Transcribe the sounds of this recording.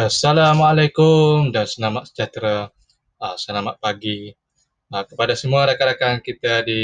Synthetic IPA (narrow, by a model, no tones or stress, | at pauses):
asalamalajkʊmdansəlamat̪̚sə̥d͡ʒat̪ɾaː | səlamat̪̚paɡi | əkəpadasəmuaɾakaɾakankit̪adi